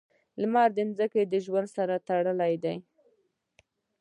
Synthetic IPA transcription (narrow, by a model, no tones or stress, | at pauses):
lmɑɾd̪ɪnzəked̪əʒwand̪saɾat̪aɽəlajd̪aj